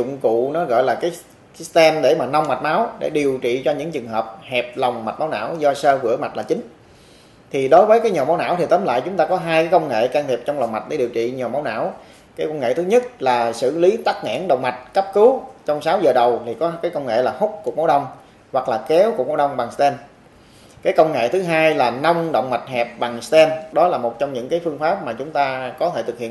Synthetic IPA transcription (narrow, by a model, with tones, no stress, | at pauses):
ʊ̰˧˨ŋ͡mkṵ˧˨nɔ˨˦ɣɔ̰˧˨jlaː˨˩kaː˨˦j | st̪ɛ˧mɗe˧˩maː˨˩na˧wŋ͡mma˨˩t̚ma˨˦wɗḛ˧˩ɗi˨˩əwt͡ɕḭ˧˨t͡ɕɔ˧ɲɨ̰˧˥ŋt͡ɕɨ˨˩ŋɦəː˨˩p̚hɛ˨˩p̚lɔ˨˩wŋ͡mma˨˩t̚maː˨˦wna̰ː˧˥wzɔ˧səː˧vɨ̰˧˩əma˨˩t̚laː˨˩t͡ɕï˨˦ŋ̟ | t̪ʰi˨˩ɗo˨˦jvəː˨˦jkaː˨˦jɲɔ˨˩ma˨˦wna̰ː˧˥˨wt̪ʰi˨˩t̪əː˨˦mla̰ː˧˨jt͡ɕʊ˨˦ŋ͡mt̪aː˧kɔ˨˦ɦaː˧jkaː˨˦jkə˧ŋ͡mŋḛ˧˨kaː˧ŋt̪ʰi˨˩p̚t͡ɕɔ˧wŋ͡mla˨˩wŋ͡mma˨˩t̚ɗḛ˧˩ɗi˨˩əwt͡ɕḭ˧˨ɲɔ˨˩maː˨˦wna̰ː˧˥˨w | kaː˨˦jka˧nŋḛ˧˨t̪ʰɨ˨˦ɲə˦˥t̚laː˨˩sɨ̰˧˨li˨˦t̪aː˦˥k̚ŋa̰˧˥ŋɗə̰˧˨wŋ͡mma˨˩t̚kə˦˥p̚kɨ˨˦t͡ɕɔ˧wŋ͡msaː˨˦wzəː˨˩ɗə˨˩wt̪ʰi˨˩kɔ˨˦kaː˨˦jkə˧wŋ͡mŋḛ˧˨laː˨˩hʊ˦˥k͡p̚ku˨˩əmo˨˦ɗə˧wŋ͡m | hwa˨˩k̚laː˨˩kɛ˨˦wku˧˩əmo˨˦wɗə˧wŋ͡mɓa˨˩ŋst̪ɛ˧n | kaː˨˦jkə˧wŋ͡mŋḛ˧˨t̪ʰɨ˨˦ɦaː˧jlaː˨˩na˧wŋ͡mɗə̰˧˨wŋ͡mma˨˩jt̚ɦɛ˨˩p̚ɓa˨˩ŋst̪ɛ˧nɗɔ˨˦laː˨˩mo˨˩t̚t͡ɕɔ˧wŋ͡mɲɨ̰˧˥ŋkaː˨˦jfɨ˧əŋfaː˦˥p̚maː˨˩t͡ɕʊ˨˦ŋ͡mt̪aː˧kɔ˨˦t̪ʰe˧˩t̪ʰɨ˨˩k̚hḭ˧˨ə